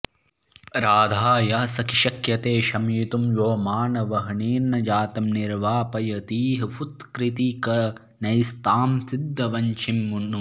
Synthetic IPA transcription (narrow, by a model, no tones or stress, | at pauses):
ɾaːd̪ʱaːjɐɐsɐkiʃɐkjɐt̪eːʃɐmjit̪umjoːmaːnɐʋɐɦɳiːɾnɐd͡ʒaːt̪ɐmniɾʋaːpɐjɐt̪iːɦɐfut̪kɾit̪ikɐ | nɐjst̪aːmsid̪ːɐʋɐɲt͡ʃʰimːunu